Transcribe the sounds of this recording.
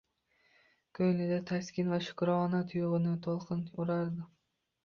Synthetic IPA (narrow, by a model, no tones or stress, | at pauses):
kʲʰɵjlɪd̪at̪ʰaskʲɪnvaʃʊ̥kɾɒɒnat̪ʰʊjʊʁɨnɪt̪ʰolˠqʰɨnʊɾaɾd̪ɪ